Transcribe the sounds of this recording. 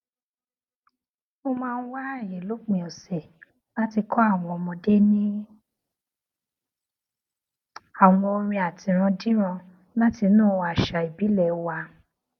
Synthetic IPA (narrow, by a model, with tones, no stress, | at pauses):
mo˧mãː˦˧n̩˦wa˦˨jĩ˨lo˨˦k͡pĩ˨ɔ˨sɛ˨ | la˦ti˧kʰɔ˦a˦˨w̃ɔ̃˧ɔ˧mɔ̃˧de˦nĩ˦ | a˨w̃ɔ̃˧o˧ɾ̃ĩ˧a˨tĩ˨ɾ̃ã˧dĩ˦ɾ̃ã˧ | la˦ti˧nũː˦˧a˨ʃa˨i˨bi˨˦lɛ˨˦wa˧